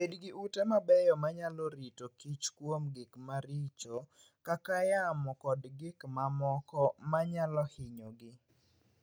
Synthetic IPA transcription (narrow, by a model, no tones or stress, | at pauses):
pedɡiʔutɛmabɛjɔmaɲalɔɾitokit͡ʃkwomɡɪkmaɾit͡ʃo | kakajamɔkɔdɡɪkmamɔkɔmaɲalɔhɪɲoɡɪ